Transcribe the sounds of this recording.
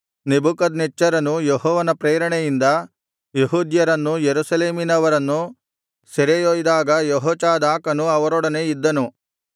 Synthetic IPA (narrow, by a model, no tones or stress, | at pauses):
nebukɐd̪net͡ʃːɐɾɐnujeɦɔːʋɐnɐpɾeːɾɐɳejind̪ɐ | jeɦuːd̪jɐɾɐnːujeɾusɐleːminɐʋɐɾɐnːu | seɾejoːjid̪aːɡɐjɔɦɔːt͡ʃaːd̪aːkɐnuɐʋɐɾɔɽɐne̞id̪ːɐnu